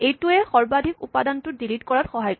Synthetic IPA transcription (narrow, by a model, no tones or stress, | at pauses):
ejtʊɛxɔɹbadʱikupadantʊtdilitkɔɹatxɔɦaj